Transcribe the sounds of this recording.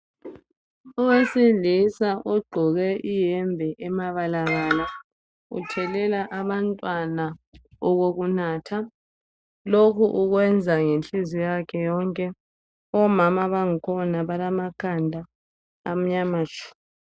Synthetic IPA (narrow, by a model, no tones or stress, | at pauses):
ɔwesilisaʔɔɡ͡ǃʱɔɣɛʔijɛmbʱɛʔɛmaβalaɣaːla | ṵtʰɛlɛlaʔaβantʼwanaɔɣoɣunaːtʰa | lokʰuʔuɣwɛnd͡zʱaŋenɬʼizijakʰɛjɔŋkʼɛ | ɔmamaβaŋikʰɔnaβalamakʰandʱa̰ː | m̩ɲamat͡ʃʰʼu̥ːi